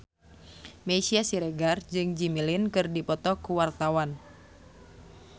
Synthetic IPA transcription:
mesiasiɾeɡard͡ʒɨŋd͡ʒimilɪnkɨrdipɔt̪ɔkuwart̪awan

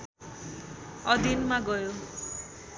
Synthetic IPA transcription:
ʌd̪ʱinmaɡʌjo

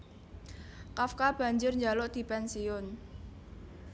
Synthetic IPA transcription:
kafkab̥ä̤ɲd͡ʒʊrɲd͡ʒalɔʔd̪̥i̤pɛnsiʊn

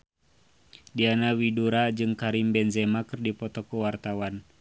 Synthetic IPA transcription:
dianawiduɾad͡ʒɨŋkaɾimbɛnzɛmakɨrdipɔt̪ɔkuwart̪awan

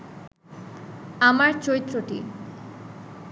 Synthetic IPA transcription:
amaɾt͡ɕojt̪ːɾoʈḭ

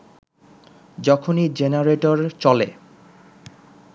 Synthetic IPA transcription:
d͡ʑɔkʰonid͡ʑenaɾeʈoɾt͡ɕɔle

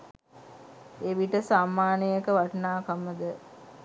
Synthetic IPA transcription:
eʋiʈəsamːaːnəjəkəʋaʈnaːkaməd̪ə

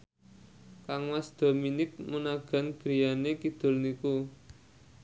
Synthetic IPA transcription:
kaŋwasd̪̥o̤minɪk̚munaɡ̥a̤nɡ̥ɾijanekid̪̥o̤lniku

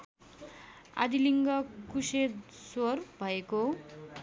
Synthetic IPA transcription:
a̰d̪iliŋɡʌkused̪sorbʱʌeko

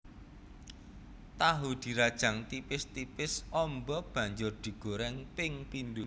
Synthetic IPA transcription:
t̪aɦud̪̥i̤ɾad̥ʒ̥ä̤ŋt̪ipɪst̪ipɪsɔmbɔb̥ä̤ɲd͡ʒʊrd̪̥i̤ɡ̥o̤ɾɛŋpɪŋpind̪u

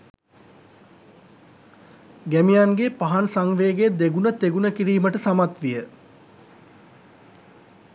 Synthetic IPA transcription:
ɡæmijanɡepaɦansaŋʋeːɡed̪eɡunət̪eɡunəkiɾiːməʈəsamat̪ʋijə

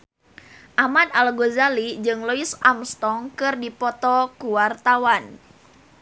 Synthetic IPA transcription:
ʔamadalɡozalid͡ʒɨŋlɔisamst̪ɔŋkɨrdipɔt̪ɔkuwart̪awan

